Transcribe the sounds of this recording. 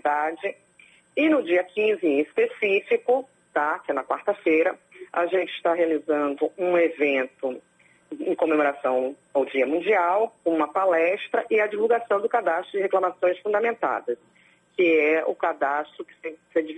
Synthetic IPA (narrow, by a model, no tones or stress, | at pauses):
d̪ad͡ʒɪ | ɪnʊd͡ʒiɐkĩzɪẽispesifikʊ | t̪akɛnɐkwa̰ɾt̪ɐfejɾɐ | a̰ʒẽnt͡ʃɪst̪aɦealizɐ̃nd̪ʊũevẽnt̪ʊ | ẽkomemoɾasɐ̃w̃ | awd͡ʒiɐmũd͡ʒiawkõũmɐpalɛst̪ɾɐʔɪɐd͡ʒivuwɡasɐ̃w̃d̪ʊkad̪aʃt̪ɾʊd͡ʒɪheklɐmasõj̃sfũd̪ɐmẽnt̪a̰d̪ɐs | kɪɛʊ̰kad̪ast̪ɾʊkɪ̥sesed͡ʒi